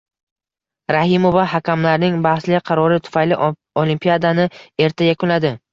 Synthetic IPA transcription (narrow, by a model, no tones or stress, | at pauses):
ɾahɪmovaɦakʲamlaɾnɪŋbahslɪqʰɑɾɒɾɪt̪ʰʊ̥fajlɪ | olimpʰijad̪anɪe̞ɾt̪ʰajakʰʊnlad̪ɪ